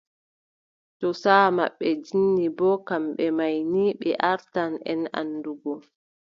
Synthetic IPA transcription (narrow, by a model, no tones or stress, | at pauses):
tɔsaːma̰ɓːɛd͡ʒinːibɔkamɓɛmajniɓɛ̰ʔaɾtanɛ̰na̰nːduɡɔ